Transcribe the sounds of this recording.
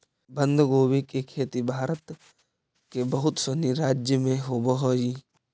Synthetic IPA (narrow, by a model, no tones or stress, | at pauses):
bə̃nd̪ʱɡoːwikekʰeːt̪ibʱaːɾət̪ | kebəɦʊt̪səniɾaːd͡ʒjəmẽɦoːbəɦoːi